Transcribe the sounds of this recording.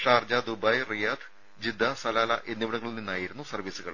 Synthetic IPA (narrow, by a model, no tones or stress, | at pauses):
ʂaːrd͡ʑaːd̪ubɐjrijaːd̪ʰ | d͡ʑid̪ʱːɐsɐlaːlɐ̰ʔe̞nːiʋɐɽɐŋːɐɭilninːaːjiɾunːusɐrʋiːsuɣɐ̰ɭ